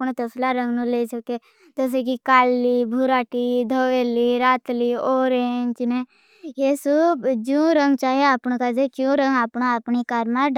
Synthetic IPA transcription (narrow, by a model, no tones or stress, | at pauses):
pñt̪əslaɾə̃ŋɡnũlesəke | t̪os̬ekikaːlːibʱuɾaːʈid̪ʱəweːliɾaːt̪lioːɾeɲd͡ʒne | jesubd͡ʒũːɾəŋɡt͡ʃaːɦeapñkad͡ʒekjũɾə̃ŋɡaːpnaːpnikaːɾmaɖ